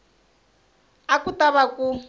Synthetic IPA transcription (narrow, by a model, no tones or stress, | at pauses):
akutaβaku